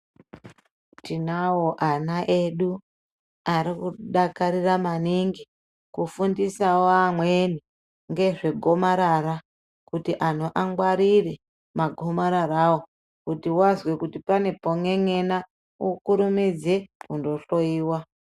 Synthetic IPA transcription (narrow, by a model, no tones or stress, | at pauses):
tinawoʔanaʔeɗu | aɾikuɗakaɾiramaniŋɡi | kufundisawoamweni | ŋɡe̞ʐe̞ɡʱo̞maɾara | kutiʔanoʔaŋɡwaɾire | maɡʱo̞maɾaɾawo | kutiwazwekutipane̞po̞ŋe̞ŋena | ukuɾumid͡zekundo̞ɬo̞iːwa